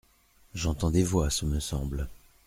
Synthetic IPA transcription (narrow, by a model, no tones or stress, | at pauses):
ʒɑ̃t̪ɑ̃d̪evwasəməsɑ̃bl